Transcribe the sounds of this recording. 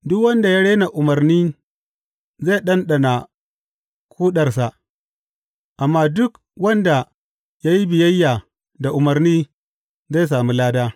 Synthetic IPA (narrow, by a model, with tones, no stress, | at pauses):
dʊ˦kwɐ˦nda˨ja˦ɽeː˦na˨ʔʊ˨mɐ˨rniː˦ | za˦˨ɗɐ˦nɗa˨na˨ | kʰʷuː˦ɗɐ˨rs̬a˨ʔ | ʔa˨mːaː˦dʊ˦k | wɐ˦nda˨ | ja˦ji˦bɪ˨jɐ˦jːa˨ | da˨ʔʊ˨mɐ˨rniː˦ | za˦˨s̬aː˨mi˦laː˦daː˦